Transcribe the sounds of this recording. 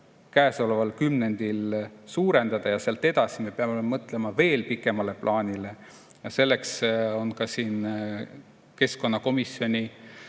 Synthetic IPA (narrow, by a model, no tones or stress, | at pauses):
kæːso̞levɑlkymne̞nd̪̥ilsuːɾe̞nd̪̥ɑd̪̥ɑjɑseɑlt̪ːe̞d̪̥ɑsime̞peɑmeemɤt̪ˑle̞mɑve̞ːlpikːˑe̞mɑle̞plʔɑːnʲile̞ | jɑse̞lːe̞kso̞nkɑsiːn | ke̞sko̞nːɑko̞misjo̞nʲi